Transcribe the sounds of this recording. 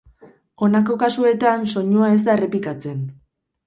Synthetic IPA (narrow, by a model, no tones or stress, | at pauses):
o̞nako̞kasue̞t̪anso̞ɲuae̞z̬d̪aere̞plikat͡se̞n